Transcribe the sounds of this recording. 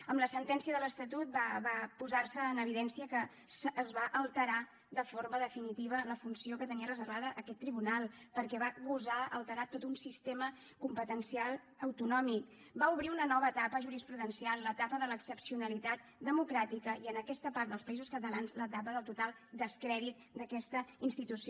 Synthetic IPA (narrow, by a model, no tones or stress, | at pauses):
əmləsənt̪ɛnsiəðələst̪ət̪ut̪̚baβapuzarsəːnəβ̞iðɛnsiəkə | sːzβaʔəlˠt̪əɾa | d̪əfoɾməðəfinit̪iβ̞ələfunsiokət̪əniərəzəɾβaðəʔəkɛt̪ːɾiβunalˠ | pəɾkɛβaɣuzaəlˠt̪əɾat̪ot̪unsist̪emə | kumpət̪ənsialˠ | əwt̪unɔmik | bauβɾiunənɔβəːt̪apəʒuɾispɾuðənsialˠlət̪apəðələksəpsiunəlit̪at̪ | d̪əmukɾat̪ikəiənəkɛst̪əpaɾt̪̚d̪əlˠspəizuskət̪əlanzlət̪ap̬əðəlˠt̪ut̪alˠd̪əskɾɛðit̪̚d̪əkɛst̪əinst̪it̪usi